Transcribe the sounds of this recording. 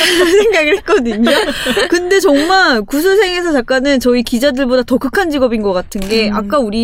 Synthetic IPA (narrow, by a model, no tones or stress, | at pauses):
sʰe̞ŋɡaɡɯɭhe̞t̚k͈ʌdɯɲokɯnde̞t͡ɕʌŋmaɭkusʰus̬ʰe̞ŋe̞sʰʌt͡ɕakk͈anɯnt͡ɕʌikid͡ʑadɯɭbodatʌkɯkʰand͡ʑiɡʌbinɡʌk͈atʰɯnɡe̞ʔak̚k͈auɾi